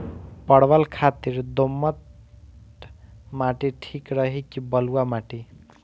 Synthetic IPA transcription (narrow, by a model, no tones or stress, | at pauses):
pʌɽbəlkʰat̪iɾd̪omːət̪ | maʈiʈʰikɾʌɦikibʌluamaʈi